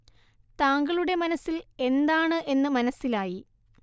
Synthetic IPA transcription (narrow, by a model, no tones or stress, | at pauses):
t̪aːŋɡɐɭuɽe̞mɐnɐsile̞nd̪aːɳɨʔe̞nːɨmɐnɐsːilaːji